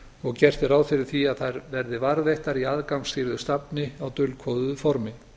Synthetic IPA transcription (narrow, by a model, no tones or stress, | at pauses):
ɔɣcɛr̥t̪ɪɾaːwfɪɾɪ̥θiaðθaɾvɛɾðɪvaɾvejht̪aɾiaðkawŋsɪɾðʏst̪apnɪawt̪ʏlkʰvɔːðʏfɔɾmɪ